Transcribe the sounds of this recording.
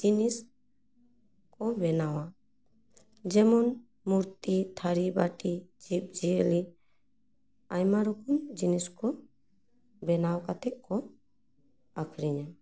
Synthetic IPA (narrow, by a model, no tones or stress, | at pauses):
d͡ʒinis | kɔbɛnawa | d͡ʒɛmɔn | muɾt̪it̪ʰaɾibaʈid͡ʒip̚d͡ʒiəli | ajmaɾɔkuɲd͡ʒiniskɔ | bɛnawkat̪ɛk̚kɔ | akʰɾiɲa